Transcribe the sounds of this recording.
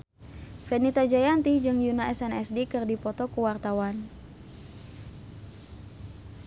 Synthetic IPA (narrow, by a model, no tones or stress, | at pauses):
fɛnit̪ad͡ʒajant̪id͡ʒɨŋjunaʔɛsɛnɛsdikɨrdipɔt̪ɔkuwart̪awan